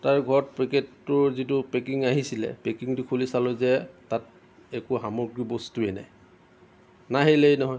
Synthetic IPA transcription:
taɹɡʱɔɹɔt̚pɹiketːʊɹzitʊpekiŋaɦisilɛ̰pekiŋtʊkʰulisalɔzɛtat | ɛkʊɦamɔɡɹibɔstuɛna̰j | naɦelɛjnɔɦɔj

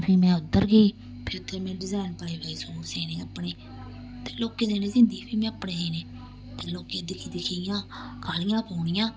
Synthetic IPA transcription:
pʰiːmɛ̃ːʊd̪ːəɾɡei | pʰɪɾt̪ʰːeːmɛ̃ːɖɪzaːɪnpəːeːbeːisoːseːnẽːəpɳeː | t̪eːloːkeːd̪eːnẽːsɪ̃nd̪iːpʰiːmɛ̃ːəpɳeːeːneː | t̪eːloːkeːd̪ɪkʰiːd̪ɪkʰijãːkaːlɪjãːpoːɳɪjãː

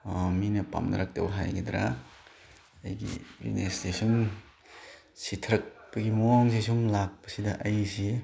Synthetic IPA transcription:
minɐpa̰mnɐ̰ɾak̚tɐbɦajɡid̪ɾa̰ | ɐjɡḭɾḭnestesɔn | sitʰɐɾɐk̚pɐɡimuwaŋsisuŋlak̚pɐ̥sidɐʔɐjsi

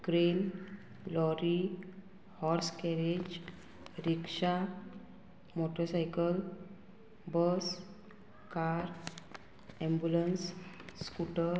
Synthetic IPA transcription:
kɾel | lɔɾi | hɔɾskɛɾed͡ʑ | ɾikʂa | moʈəɾsajkəl | bəs | kaɾ | ɛ̃mbjulənsːkuʈəɾ

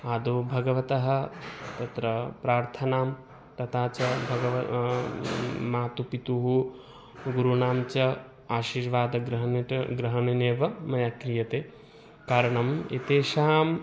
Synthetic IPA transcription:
aːd̪oːbʱɐɡɐʋɐt̪ɐɦɐ̆t̪ɐt̪ɾɐpɾaːɾt̪ʰɐnaːm | t̪ɐt̪ʰaːt͡ʃɐbʱɐɡɐʋɐ | maːt̪upit̪uɦu | ɡuɾunaːmt͡ʃɐ | aːʃiːɾʋaːd̪ɐɡɾɐɦɐnɡɾɐɦɐɳɐneːʋɐmɐjaːkɾijɐt̪eː | kaːɾɐɳɐmḭt̪eːʃaːm

